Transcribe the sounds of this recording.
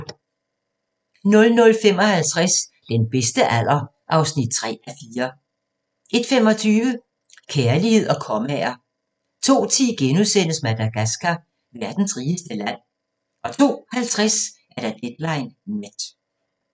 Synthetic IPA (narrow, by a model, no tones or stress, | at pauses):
nɔ̽lnɔ̽lfem̰ɒ̽hælt͡sʰʁas | d̥enb̥esd̥əʔæl̰ɐ | ʔɑ̈ʊsnid̥̚t͡sʰʁɛ̰ːæfiːɐ | ʔe̝d̥femɒ̽t͡sʰyːʋə | kʰeɐlihe̝ð̰ˠɒ̽kʰɒ̽mɛ̰ːɐ | t͡sʰo̝̰ːt͡sʰiːɡ̥enuðˠsen̰əsmæd̥æɡ̥æsɡ̥æ | ʋæɐd̥n̩sʁiːəsd̥əlæn̰ | ɒ̽t͡sʰo̝̰ːhælt͡sʰʁas | æɐɾ̥æd̥ed̥lɑ̈ɪnmed̥